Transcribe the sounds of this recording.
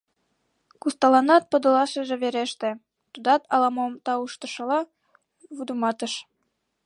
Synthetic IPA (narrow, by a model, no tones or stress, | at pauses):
kust̪ɑlɑnɑt̪̚pɤ̆d̪ɤ̆lɑʃɤ̆ʒĕβeɾeʃt̪ĕ | t̪ud̪ɑt̪ɑlˠɑmomt̪ɑuʃt̪ɤ̆ʃɤ̆lɑ | βud̪umɑt̪ɤ̆ʃ